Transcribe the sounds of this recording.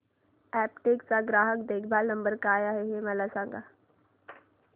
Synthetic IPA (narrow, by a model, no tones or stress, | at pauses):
ɛːpʈeːksaɡɾaːɦəkd̪eːkʰbʱalnə̃mbəɾkaːjaɦɛɦeməlasãːŋɡa